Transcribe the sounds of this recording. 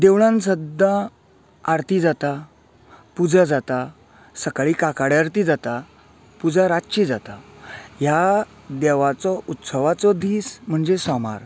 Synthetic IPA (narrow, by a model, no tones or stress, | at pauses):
d̪eʋɭãns̬əd̪ã | aɾt̪iːd͡zat̪a | pud͡zad͡zat̪a | səkaɭiːkakaɽjaɾt̪id͡zat̪a | pud͡zaɾaɕid͡zat̪aja | d̪ɛʋat͡sɔʔut̪səʋat͡sɔd̪iːsm̤əɳd͡zesɔma̰ɾ